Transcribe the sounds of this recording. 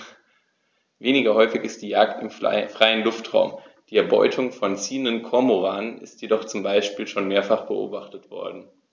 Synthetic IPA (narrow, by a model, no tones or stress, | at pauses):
veːnɪɡɐhɔʏfɪçɪst̚d̥iːjaːktɪmfʁ̥aɪənlʊftʁ̥a̰ʊmd̥iːɛɐbɔ̰ʏtʰʊŋfɔnt͡siːəndənkʰɔɐmoʁaːnənɪ̰stjedɔχt͡sʊmbaɪʃpiːlʃoːnmeːɐfaχb̥əʔo̰ːbaχtətv̥ɔ̰ɐdn̩